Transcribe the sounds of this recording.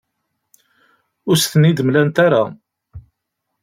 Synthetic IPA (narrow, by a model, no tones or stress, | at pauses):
ʊɾsθənid̪mlænt̪aɾa